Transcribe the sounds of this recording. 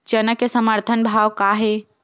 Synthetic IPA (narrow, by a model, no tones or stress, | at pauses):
t͡ʃənəkesəməɾt̪ʰənbʱaːʋkaːɦe